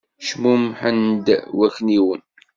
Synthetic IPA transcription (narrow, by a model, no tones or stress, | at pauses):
ʃmumħənd̪wækniwən